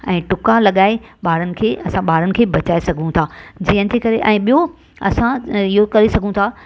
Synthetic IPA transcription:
ɛ̃ːʈʊkalɐɠaːeɓaːɾənɪ̆kʰeːʔɐsãɓaːɾənɪ̆kʰeːbɐt͡ɕaːesɐɡʱũt̪ʰaːd͡ʑiɦənɪ̆d͡ʑeːkɐɾeʔɛ̃ːɓijo | ɐ̰sãɪɦokɐɾisɐɡʱũt̪ʰaː

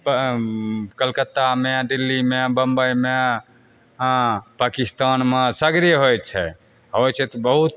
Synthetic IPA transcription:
p | kəlkət̪ːameɖilːimebəmbəjme | pakist̪anmesəɡɾeɦojt͡ʃʰɛ | ɦojt͡ʃʰɛt̪ɔbəɦut̪

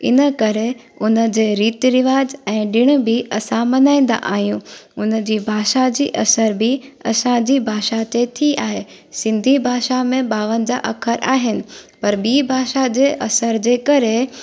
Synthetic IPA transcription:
ɪ̰nəkɐɾe | ʊnə̆d͡ʑeːɾiːt̪ɾɪʋaːd͡ʑɛ̃ːɗɪɽ̃ə̆bɪʔɐsãmɐnaːĩːn̆d̪a̰ʔaːɦijũːʊnə̆d͡ʑiːbʱaːʃad͡ʑḭːʔɐsəɾbʱɪɐ̰sãd͡ʑiːbʱaːʃat̪et̪ʰiaːɦeː | sɪ̃nd̪ʱibʱaːʃamẽɓaːʋənɪ̆d͡ʑa̰ːʔɐkʰəɾʔaːɦɪnɪ̆pɐɾbiːbʱaːʃad͡ʑeːʔɐsəɾd͡ʑeːkɐɾe

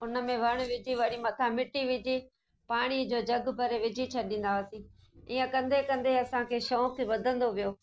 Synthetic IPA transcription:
ʊnə̆mẽʋɐɽ̃̆ʋɪd͡ʑiʋɐɽ̃imɐt̪ʰamɪʈiʋɪd͡ʑi | paːɽ̃id͡ʑoːd͡ʑɐɡbʱɐɾeʋɪd͡ʑʱit͡ɕʰɐɗĩːnd̪aəsĩː | iːə̃kɐ̃nd̪ʱekɐ̃nd̪eɐsãkʰeːʃoːkʰeʋɐd̪ʱə̃nd̪oʋijoː

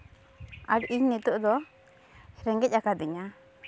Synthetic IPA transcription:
aʈiɲnit̪uʔd̪ɔ | ɾɛŋɡɛc̚ˀakad̪iɲa

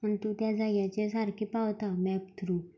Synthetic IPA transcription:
məɳt̪uːt̪jad͡zajjãt͡ɕesaɾkʰipawt̪amɛpt̪ʰɾuː

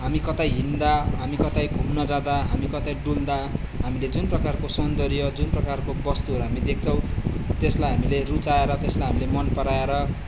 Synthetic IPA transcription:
ɦamikʌt̪ajɦind̪aɦamikʌt̪ajbʱumnʌd͡zãd̪aɦamikʌt̪ajɖuld̪a | ɦamiled͡zunprʌkarkosʌnd̪ʌɾjʌd͡zunprʌkarkobʌst̪uɦʌɾuɦamid̪ekʰt͡sʰʌ̃w̃t̪eslajɦamilerut͡saeɾʌt̪eslajɦamilemʌnpʌɾaeɾʌ

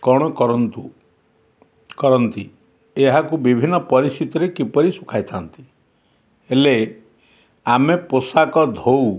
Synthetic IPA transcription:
kɔɽ̃ɔkɔɾɔnt̪u | kɔɾɔnt̪i | eɦakubibʱinːɔpɔɾist̪it̪ɔɾekipɔɾisukʰajt̪ʰant̪i | ele | ameposakɔd̪ʱow

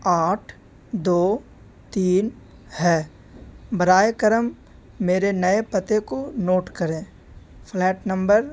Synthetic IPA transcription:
aːʈʰ | d̪oː | t̪iːn | hɛː | bɐɾaːjekəɾəmː | eːɾenɐepɐt̪ekonoːʈkɐɾẽː | pʰlɛːʈnə̃mbəɾ

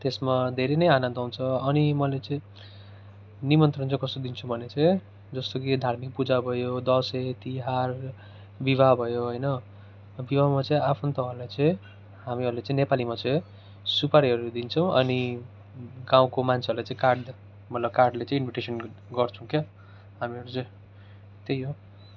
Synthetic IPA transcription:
t̪esmad̪ʱeɾenʌjanʌnd̪aũnt͡sʰʌʌnimʌlet͡sʌĩ | nimʌnt̪rʌnt͡sʌ̃kʌst̪od̪int͡sʰubʱʌnet͡sʌĩ | d͡zʌst̪okid̪ʱarmik̚pud͡zabʱʌjod̪ʌset̪iɦar | bibʱabʱʌjoɦʌjnʌ | bibʱamat͡sʌ̃ĩapʰunt̪ʌɦʌrlajt͡sʌĩ | ɦamiʌɾulet͡sʌ̃ĩnepalimat͡saj | supaɾiɦʌɾud̪int͡sʰʌ̃w̃ʌ̰ni | ɡaw̃komant͡sʰeʌɾulajt͡sãĩkarɖ | mʌt̪lʌb̚karɖlet͡sʌ̃ĩinbʱiʈesʌn | ɡʌrt͡sʰũke | ɦamiʌɾut͡sʌ̃ĩ | t̪ejo

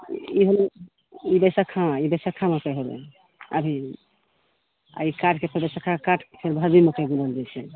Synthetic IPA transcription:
iɦolo | ibəsakʰãibəjsakʰãmɔkeɦobɛ̰ | ə̰bʱi | a̰ikaʈʰkepʰeɾbəsakʰãkaʈʰkpʰeɾbʱabimekeɡuləld͡ʒat͡ʃʰɛ

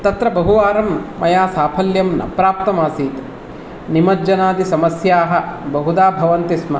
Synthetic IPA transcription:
t̪ɐt̪ɾɐbɐɦuʋaːɾɐmːɐjaːsaːpʰɐljɐmnɐ̰pɾaːp̚t̪ɐmaːsiːt̪ | nimɐd͡ʒɐnaːd̪isɐmɐsjaːɦɐ̆bɐɦud̪aːbʱɐʋɐnt̪ismɐ̰

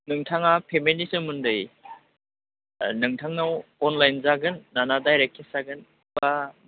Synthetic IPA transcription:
nɯŋtʰaŋapʰemilisɯmɯndɯj | nɯŋtʰaŋnawɔnlajnzaɡɯnːanadajɾekʰːesaɡɯn | ba

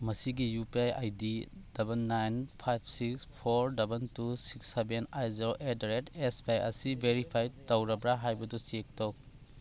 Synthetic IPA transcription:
mɐsiɡijupiaja̰jdid̥ɐbenːajnpʰajpʰsikspʰoɾdɐbentusiksebenajziɾoʔedɾetesbajɐ̰sibʱeɾipʰajtɐwɾɐbɾaɦajbɐdusiek̚tow

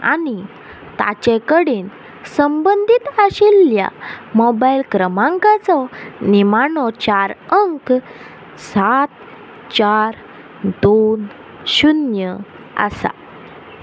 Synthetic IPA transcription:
a̰ni | t̪a̰t͡ɕẽkəɽiːn | səmbənd̪ʱit̪əɕilːja̰mɔbailkɾəmãŋkat͡sɔnimaɳɔt͡ɕaɾəŋk | sat̪ | t͡ɕaɾ | d̪on | ɕunjə | ə̰sa̰

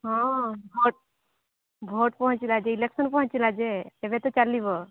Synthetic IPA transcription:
ɦɔ̃bʱoʈ̚ | bʱoʈpɔɦɔt͡ʃilad͡ʒeileksɔnpɔɦɔ̃t͡ʃilad͡ʒeːbɛt̪ɔt͡ʃaliβɔ

